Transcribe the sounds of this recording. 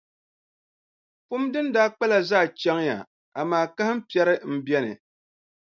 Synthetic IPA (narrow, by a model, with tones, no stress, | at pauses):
pʊ˦mdɨ˦ndaː˦k͡pa˦la˨zaː˦˨t͡ʃɛ˦ŋja̰˨ | a˨maː˨˦˨ka˦hɪ˦m˦pi˦ɛ˦ɾɨ˦m̩˦bjɛ˦nɨ̰˨